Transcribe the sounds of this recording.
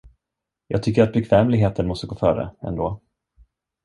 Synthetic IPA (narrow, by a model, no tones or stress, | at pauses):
jɑːɡ̚t̪ʰʏkːəɾat̪̚bɛkʰvɛːmlɪɡɦeːt̪ənmɔst̪əɡoːfœːɾə̰ɛ̰nd̪oː